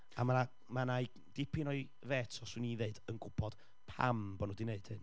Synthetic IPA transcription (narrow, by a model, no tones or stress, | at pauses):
a̰mana | manaj | d̥ɪpʰɪnɔɨ | veːtʰɔswɨniðeɨd̥ənɡʊpʰɔd̥ | pʰa̰mbɔnudineɨd̥hɨn